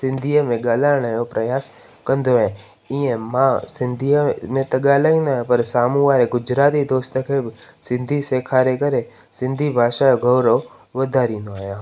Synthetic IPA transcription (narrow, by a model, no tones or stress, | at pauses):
sɪ̃nd̪ʱijəmẽɡaːlaɾɽ̃əjopɾəjaːs | kə̃nd̪ʱoẽ | ĩẽmãsɪnd̪ʱijəmẽt̪əɠaːlaĩnə̃pəɾsaːmuʋaɾeɡʊd͡ʒɾaːt̪id̪oːst̪əkʰebsɪ̃nd̪ʱisekʰaɾekəɾe | sɪ̃nd̪ʱibʱaːʃajoɡʱəʋɾəʋ | ʋəd̪ʱaːɾinoaːjãː